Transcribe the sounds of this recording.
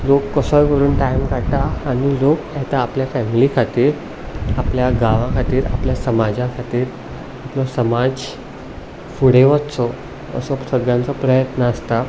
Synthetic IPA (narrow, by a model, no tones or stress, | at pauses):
lokːəsɔjkəɾuːnʈajmkaʈaːnilokjɛt̪aːpljafɛmilikʰat̪iːɾ | apljaɡaʋãkʰat̪iːɾa̰pljasəmad͡ʑãkʰat̪iːɾ | aplɔsəmad͡z | fuɽeʋatt͡sɔ | ə̰sɔsəɡjãnt͡sɔpɾəjət̪nəːst̪a